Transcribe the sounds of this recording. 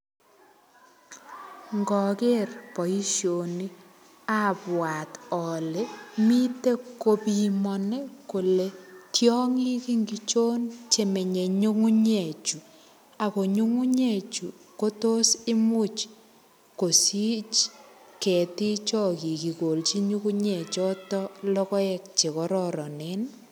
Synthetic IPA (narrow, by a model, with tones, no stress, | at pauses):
ŋɡɔ˨ke˦rpo˨i˦ʃjo˨ni˦ | apwa˨tɔ˨le˦mi˦te˦ko˦pi˨mɔnɛ˦ko˨le˦tʰjɔ˦ŋi˦ki˦ŋɡit͡ʃo˦nt͡ʃe˨me˨ɲe˨ɲu˦ŋu˦ɲɛ˨t͡ʃu˨ | a˨ko˨ɲu˦ŋu˦ɲe˨t͡ʃṵ˨ko˦to˦sɪ˦mu˦t͡ʃ | ko˨si˦t͡ʃ | kɛ˨ti˦t͡ʃɔ˦ki˨ki˨ko˨lt͡ʃi˦ɲu˦ku˦ɲɛ˨t͡ʃɔ˦tɔ˦lɔ˦kɔ˦ɛ˦k̚t͡ʃe˨kɔ˦ɾɔɾɔ˨ne˦n